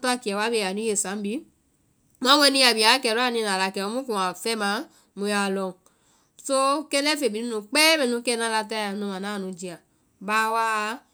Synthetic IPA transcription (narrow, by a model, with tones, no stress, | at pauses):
tɔ˦a˦˧˨ki˨a˨wa˨˦be˧˨a˨nũ˨˦e˦˨sã˨˦m̩˦bi˨˦ | mɔ̃˦w̃ɛ˧nĩ˧˦a˨bi˨a˨˦kɛ˨ɾu˦a˦˨nĩ˧nã˨la˨kɛ˨o˧mũ˦kũ˨ã˨fɛ˦mã˧˦ | mũ˧ja˧˨lɔ̃˧˨ | so˦kɛ˦lɛ˦fe˨bi˨nĩ˦ũ˧˦k͡pe˦mɛ̃˦˧˨nũ˧kɛ˦˧nã˦la˧ta˦ã˨˦nũ˨˧mã˨nãː˨˦˨nũ˨˧d͡ʒi˧a˨ | ba˦˧wa˦˧˦